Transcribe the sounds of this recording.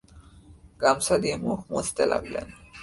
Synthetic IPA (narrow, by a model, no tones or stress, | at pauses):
ɡamsad̪imuxʰmot̪t̪elʔa̰ɡlḛn